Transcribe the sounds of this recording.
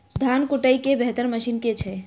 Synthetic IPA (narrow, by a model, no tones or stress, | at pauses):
d̪ʱankuʈəjkebeɦt̪əɾməʃinket͡ʃʰɛ